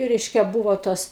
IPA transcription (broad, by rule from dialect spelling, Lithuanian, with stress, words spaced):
ˈrʲɛɪʃʲkʲɛ ˈbuːʋoː ˈtoːs